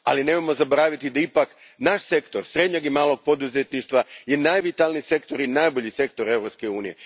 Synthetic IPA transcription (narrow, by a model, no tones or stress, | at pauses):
a̰line̞mojmo̞zabo̞ɾaʋit̪id̪aipak | naʃse̞kt̪o̞ɾsɾe̞d̪ɲoɡimaːlˠo̞ɡ̚po̞d̪uzet̪niʃt̪ʋajenajʋit̪alˠnise̞kt̪o̞ɾinajbo̞ʎise̞kt̪o̞ɾe̞ʋɾo̞pske̞uːnije̞